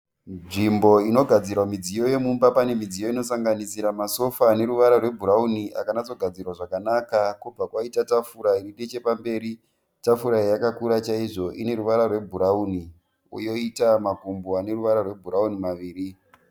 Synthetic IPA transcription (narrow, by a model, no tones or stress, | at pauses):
nʐimbo̞ino̞ɡʱad͡zirwamid͡zijo̞je̞mumbapane̞mid͡zijo̞ino̞saŋɡanisiɾamaso̞faːne̞ɾuʋaɾarwe̞bʱuɾauniʔa̰kanad͡zo̞ɡʱad͡zirwaʐakanakakub͡vakwaitatafuɾairiɗet͡ʃe̞pambe̞ːɾi | tafuɾaijakakuɾat͡ʃaiʐo̞ʔine̞ɾuʋaɾarwe̞bʱuɾauni | ṵjo̞itamakumboane̞ɾuʋaɾarwe̞bʱuɾaunimaʋiːri